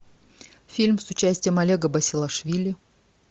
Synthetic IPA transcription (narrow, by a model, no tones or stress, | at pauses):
fʲilʲmsʊt͡ɕæsʲtʲɪjəmɐlʲeɡəbɐsʲɪlˠɐʂvʲilʲɪ